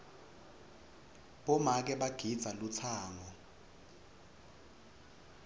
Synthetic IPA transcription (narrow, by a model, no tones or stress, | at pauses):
ɓɔmak̬ɛɓaɡ̥ʱid̥z̥ʱalut͡sʰaːŋɔ